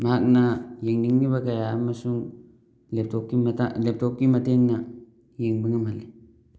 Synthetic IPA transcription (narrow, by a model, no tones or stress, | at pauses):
mak̚najeŋniŋnibakajamːasuŋ | lep̚tokːimatalep̚tokːimateŋna | jeŋbiŋamali